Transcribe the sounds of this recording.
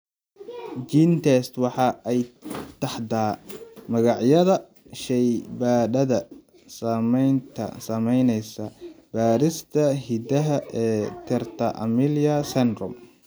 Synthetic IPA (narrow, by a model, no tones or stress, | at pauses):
ɡint̪ʰɛst̪wɑħɑʔɛjt̪ʰɐħd̪aːmɐɣɑʕjɐðɐ | ʃɛjbaːɖɐðɐ | saːmɛjnt̪ʰɐ̰sɐmɛjnɛjsɐb̥aːɾɪst̪ʰɐɦid̪ɐɦɐʔɛːt̪ʰɛrt̪ʰɐʔɐ̰milɐsɛnrʊm